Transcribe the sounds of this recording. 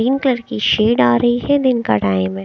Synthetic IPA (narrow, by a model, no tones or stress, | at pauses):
iːnkləɾkiʃeːɖaːɾɐɦiɦɛd̪ɪnka̰ʈaːɪm̃